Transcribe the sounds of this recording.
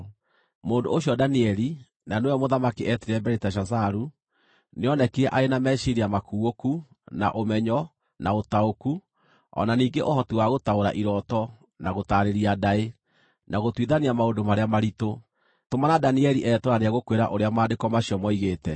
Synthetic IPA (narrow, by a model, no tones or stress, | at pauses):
moːndo̰ːɕjɔdaniɛɾi | nanewɛɔmoðamakiʔɛtiɾɛbɛɾetaʃ̬asaɾu | neɔnɛkeɛʔaenamɛʃiɾiamakuoku | na̰ʔomɛɲɔ | naotaoku | ɔ̰naniːŋɡeʔoɦɔtiwaɣotaoɾa̰ʔiɾɔtɔ | naɣotaːɾeɾiadae | nʔaɣotwiðaniamaondomaɾeamaɾito | tomanadaniɛɾiʔɛːtoɾaneaɣokweɾa̰ʔoɾeamaːndekɔmaɕiɔmɔiɣeːtɛ